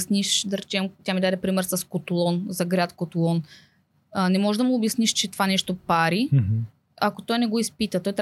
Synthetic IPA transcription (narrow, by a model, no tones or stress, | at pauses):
sniʃd̪ɐɾɛt͡ʃɛmkot̪ʲjamid̪ad̪ɛpɾimɛɾsɐskot̪lˠɔnzɐɡɾʲat̪kot̪lˠɔn | nɛmɔʒd̪ɐmuʊːbjɐsniʃt͡ʃɛt̪vanɛʃt̪opaɾi | akot̪ɔjnɛɡoispit̪ət̪ɔjt̪ɾ